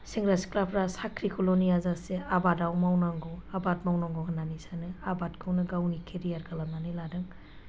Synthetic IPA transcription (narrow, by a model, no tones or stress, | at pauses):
siŋɡɾasklapɾasakʰɾikʰɔlonijazaseabadawmawnaŋɡɔabatmawnaŋɡɔŋananisanɯabatkʰɯwnɯɡawnikʰeɾijaɾkalamnaniladɯŋ